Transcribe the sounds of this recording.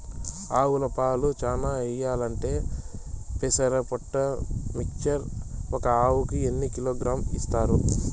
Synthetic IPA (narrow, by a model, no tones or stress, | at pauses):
aːwulɐpaːlut͡ʃaːnaːɛjːaːlɐɳʈe̞ː | pesɐɾɐpoʈːɐmikt͡ʃɐɾɔkɐaːwukienːikiloːɡɾaːmist̪aːɾu